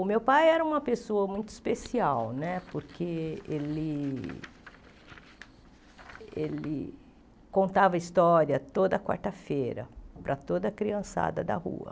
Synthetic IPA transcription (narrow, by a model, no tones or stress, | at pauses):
ʊmewpajɛɾɐũmɐpesoɐmũj̃t̪ʊi̥spesiawnɛpoɾkʰeelɪ | ḛlɪ̰ | kõnt̪avɐist̪ɔɾiɐt̪od̪ɐkwa̰ɾt̪ɐfejɾɐ̰pɾʔɐt̪od̪ɐkɾiɐ̃sa̰d̪ɐd̪ɐ̰hṵɐ̰